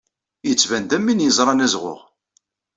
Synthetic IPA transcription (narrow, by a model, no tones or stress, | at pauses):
jət͡sːvænd̪æmːinjəzˤɾˤɑnæzʁʊ̰ʁ